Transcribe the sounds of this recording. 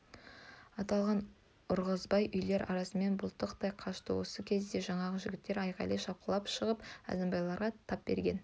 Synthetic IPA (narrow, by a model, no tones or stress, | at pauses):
ɑt̪ɑlˠʁɑn | ʊɾʁəzbɑjʔʏjle̞ɾɑ̰ɾɑsəme̞nbʊlˠt̪ːəqt̪ɑjqʰɑʃt̪ə̰wo̞səkʲʰe̞zd̪e̞ʒɑɴɑʁəʒɪɡʲɪt̪ːe̞ɾɑjʁɑ̰lˠəʃɑp̚qəlˠɑpʃəʁəpæ̰zɪnbɑjlˠɑɾʁɑt̪ʰɑp̚be̞̰ɾɡʲe̞n